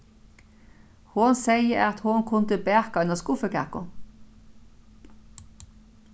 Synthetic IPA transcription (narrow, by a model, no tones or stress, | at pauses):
hʊnseɪəʔɑt̪hʊnkʰʊnt̪əbæːkɑʏnɑskʊfəkæ̰kʊ